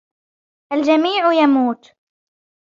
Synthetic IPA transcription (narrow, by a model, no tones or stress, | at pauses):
ʔald͡ʒamiːʕjamuːt̪